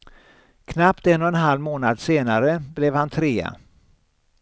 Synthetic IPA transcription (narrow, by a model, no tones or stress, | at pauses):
kʰnapt̪ɛnːɔɛnɦalmoːnad̪seːnaɾəblɛvhant̪ʰɾeːa̰